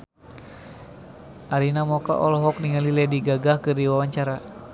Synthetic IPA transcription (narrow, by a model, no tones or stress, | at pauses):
ʔaɾinamɔka̰ʔɔlɔɦɔk̚niŋalilɛdiɡaɡahkɨrdiwawaɲt͡ʃaɾa